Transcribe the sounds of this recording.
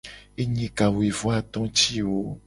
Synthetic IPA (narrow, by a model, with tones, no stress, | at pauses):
e˦ɲĩ˦ka˨we˨vɔ˦a˨t̪ɔ̃˦t͡ʃi˦wo˦